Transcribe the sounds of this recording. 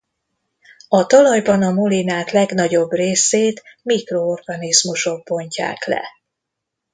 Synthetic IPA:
ɒt̪ɒlɒjbɒnɒmulinaːt̪lɛɡnɒɟo̞breːseːt̪mikro̞o̞rɡɒnizmuʃo̞ɡ̚bo̞ɲca̰ːklɛ̰

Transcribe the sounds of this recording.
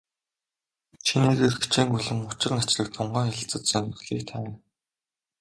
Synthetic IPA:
t͡ɕʰineːɣerxt͡ɕʰiːŋɡuɮɘ̆ŋʊt͡ɕɪ̆rnat͡ɕɮə̆k̚t̪ʰʊɴɢaːxaɮə̆ɬt͡sə̆t̪sœnɘ̆ɮiːkt̪ʰæ

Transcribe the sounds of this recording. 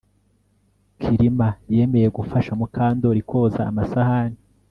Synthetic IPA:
kʰiɾimaje̞ːme̞jeɡufaʃamukʰaːndoɾikʰo̞ːza̰ːmasahani

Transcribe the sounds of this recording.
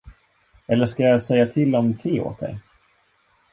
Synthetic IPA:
ɛlːəʂkajasɛjːat̪ʰɪlːɔmt̪ʰiːo̰ːt̪̚d̪ɛ̰j

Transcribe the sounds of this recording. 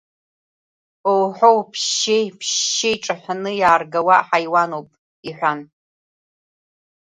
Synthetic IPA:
owħowpʰʃejpʰɕejʈ͡ʂʼaħʷᶣanɨjaːrɡawaʔħajwanowpʼ | iħᶣʷan

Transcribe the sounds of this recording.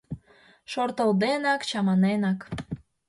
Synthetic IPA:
ʃort̪əld̪enɑkt͡ɕɑmɑnenɑk

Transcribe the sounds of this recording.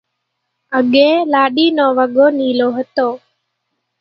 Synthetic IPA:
əɠeːlaːɗiːnoːʋəɡoːniːloːɦət̪oː

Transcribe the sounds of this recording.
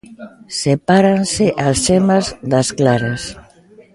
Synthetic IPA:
sepaɾansɪʔasʃɛmazðɐsklaɾas

